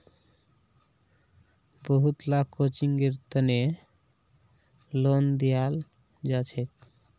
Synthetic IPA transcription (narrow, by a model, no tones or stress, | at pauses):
boɦut̪lakʰːot͡ɕiŋɡeɾt̪əne | lond̪ijal | d͡ʑat͡ɕʰek